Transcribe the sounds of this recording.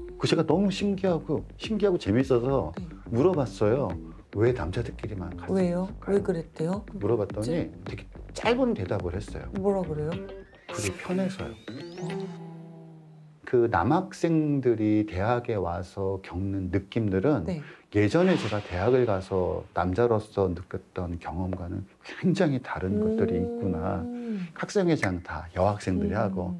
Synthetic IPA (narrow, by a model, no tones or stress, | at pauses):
kɯt͡ɕe̞ɡanʌmuɕʰiŋɡiɦaɡoɕʰiŋɡiɦaɡot͡ɕe̞mis͈ʌsʰʌne | muɾʌbas͈ʌjo | we̞na̰md͡ʑʰadʰɯk͈iɡimankawejoawekɯɾet̚t͈ejomuɾʌbat̚t͈ʌɲitʰeɡet͡ɕ͈aɭbonte̞dabɯɭhe̞s͈ʌ̰jo̰mʌɾaɡɯɾe̞jo | kɯɡepʰjʌne̞sʰʌ̰jo̰ | kɯna̰mɦak̚s͈e̞ŋdɯɾite̞ɦaɡe̞wasʰʌkjʌŋnɯnːɯk͈imdɯɾɯneje̞d͡ʑʌne̞t͡ɕe̞ɡate̞ɦaɡɯɭɡasʰʌnamd͡ʑaɾos͈ʌnɯk͈jʌt̚t͈ʌnkjʌŋʌmɡwanɯnkweŋd͡ʑaŋɦitaɾɯnɡʌt̚t͈ɯɾiːk̚k͈una | kʰak̚s͈eŋed͡ʑantajʌɦak̚s͈e̞ŋdɯɾihaɡo